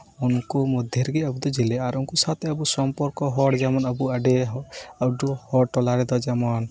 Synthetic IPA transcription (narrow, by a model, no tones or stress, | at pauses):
unkumɔd̪ʱjeɾɡeɔbud̪ɔd͡ʒilɛaɾunkusat̪ʰɛɔbusɔmpɔɾkɔɦɔɽd͡ʒamɔnɔbuaɖeɔɖuhɔɽʈɔlaɾɛd̪ɔd͡ʒɛmɔn